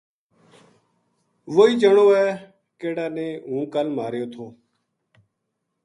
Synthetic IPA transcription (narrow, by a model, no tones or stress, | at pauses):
ʋoːiːd͡ʒəɳoːɛː | keːɽaːnẽːɦũːkəlmaːɾjoːt̪ʰoː